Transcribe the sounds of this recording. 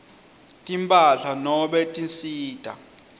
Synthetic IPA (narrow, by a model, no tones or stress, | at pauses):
tʼimpʼaɬanɔɓɛtʼinsiːd̥ʱʼa̰